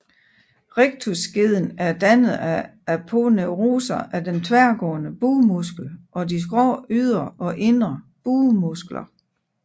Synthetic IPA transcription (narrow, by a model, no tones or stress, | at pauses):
ʁeɡ̥̚t͡sʰusɡ̥e̝ð̞ˠn̩æɐd̥ænð̩ˠææpʰo̝neʁo̰ːsɐʔæd̥ent͡sʰʋæɐɡ̥ɔ̰ːnəb̥uːmusɡ̥l̩ʔɒ̽dis̬ɡ̥ʁɒ̰ːyð̰ˠɐɒ̽ʔe̝nʁɐ | b̥uːmusɡ̥lɐ̰